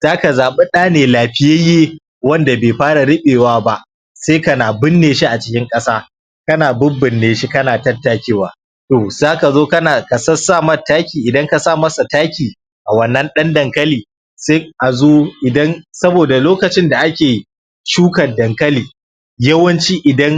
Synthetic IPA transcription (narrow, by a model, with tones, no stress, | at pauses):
z̥aː˦ka˨zaː˨ɓe˦ɗaː˦neː˨laː˨ɸɪ˦je˦jeː˦ | wɐ˦nda˨beː˨ɸaː˦ɽa˨ɽɪ˦ɓeː˨waː˦ba˦ʔ | seː˦kɐ˨naː˨bɪ˦nːeː˨ʃi˦ʔa˨t͡ʃɪ̥˦kʲɪ˦ŋkʼɐ˦saː˦ | kɐ˦naː˨bʊ˦bɪ˨nːeː˨ʃi˦kɐ˦naː˨tɐ˦tːaː˨˦kʲeː˦waː˨ | toː˨zaː˦ka˨zoː˦kɐ˦naː˨kɐ˨sɐ˦saː˦˨mɐ˦taː˦kʲiː˨ʔɪ˨dɐ˦ŋka˨saː˦mɐ˦sa˨taː˦kʲiː˨ | ʔa˨wɐ˦nːɐ˦nɗɐ˦ndɐ˨ŋkɐ˦liː˨ | seː˦ʔa˨zoː˦ʔɪ˨dɐ˦nsɐ˦boː˨da˨loː˦kɐ˨t͡ʃɪ˦nda˨ʔa˦kʲeː˨ | ʃuː˦kɐ˨dɐ˨ŋkɐ˦liː˨ | jɐ˦wɐ˦nt͡ʃiː˦ʔɪ˨dɐ˦ŋ